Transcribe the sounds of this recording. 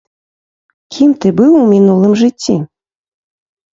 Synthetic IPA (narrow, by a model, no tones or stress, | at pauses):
kʲʰimt̪ɨbɨwumʲinulˠɨmʐɨtʲːi